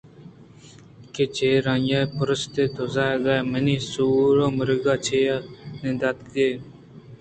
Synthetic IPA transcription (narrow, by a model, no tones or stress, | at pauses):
ket͡ʃʰeːɾãːjaːjpʊɾəst̪eːt̪ozaːd̪aːeməniːsuːɾoːməɾəɡaːt͡ʃʰeːanẽːd̪at̪deː